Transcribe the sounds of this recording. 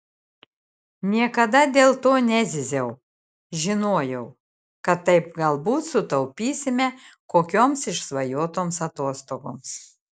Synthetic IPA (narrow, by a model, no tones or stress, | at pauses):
nʲiɛkɐd̪ɐd̪ʲeːlˠt̪oːnʲæzʲɪzʲɛʊ | ʒʲɪnoːjɛʊ | kɐt̪ːɐɪpɡɐlˠbuːt̪sʊt̪ɐʊpʲiːsʲɪmʲɛkoːkʲoːmsɪʃsʋɐjoːt̪oːmsɐt̪oɔst̪oːɡo̰ːms